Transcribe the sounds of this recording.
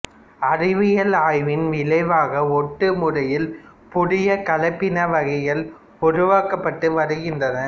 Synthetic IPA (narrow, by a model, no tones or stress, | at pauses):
ɐrɪʋɪjɐlaːjʋɪnʋɪlɐɪʋaːɣɐɔʈːɯmʊrɐjɪl | pʊɽɪjɐkɐlɐɪpːɪnɐʋɐɣɐjɐl | ʊɾʊʋaːkɐpːɐʈːɯʋɐɾɯɣɪndrɐnɐ